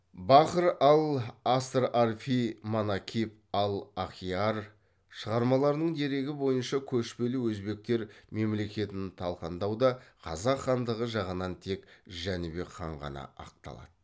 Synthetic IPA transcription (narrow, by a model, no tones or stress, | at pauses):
bɑqəɾɑlˠast̪ɾarfimonakʲʰip | ɑlˠaχijɑr | ʃəʁɑɾmɑlˠɑɾd̪əɴd̪e̞ɾe̞ɡʲɪbo̞jənʃɑkʲʰɵʃpe̞lɪwɵzbe̞k̚t̪e̞ɾme̞mle̞kʲe̞t̪ɪnt̪ʰɑlˠqɑnd̪ɑwd̪ɑqʰɑzɑqχɑnd̪əʁəʒɑʁənɑnt̪ʰe̞kʒænɪbe̞χʰɑɴʁɑ̰nɑ̰ɑ̰q̚t̪ɑ̰lˠɑ̰d̪̥ə